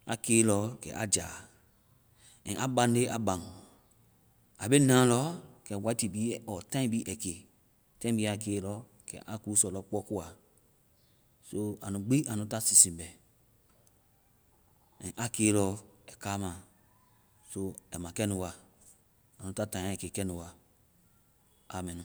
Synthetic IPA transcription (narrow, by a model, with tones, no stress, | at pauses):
a̰˨keː˨˦lɔ˨˦kɛ̰˨ʔa̰˨d͡ʒa̰˨ | ɛ̃˨ʔa˨bã˨n˦de˦ʔa˨bã˨ŋ˨ | a˨be˦nã˦lɔ˦kɛ˨wa˨˦i˦ti˨bi˦ɔ˨tã˦ĩ˦bi˦ʔɛ˨ke˨ | tã˦ĩ˦bi˦a˨ke˨˦lɔ˨˦ | kɛ̰˨ʔa˨ku˦u˦sɔ˨lɔ˦k͡pɔ˦ku˦a˨ | so˦a˨nũ˨ɡ͡bi˦a˨nũ˦ta˦si˨sĩ˨mbɛ˨ | ɛ̃˨ʔa˨keː˨˦lɔ˦ɛ˨ka˦mã˨ | so˦ɛ˨mã˨kɛ˦nũ˨wa˨ | a˨nũ˨˦ta˦tã˨˦ɛ˨ke˨kɛ˦nũ˨wa˨ | a˨mɛ̃˨ñ˨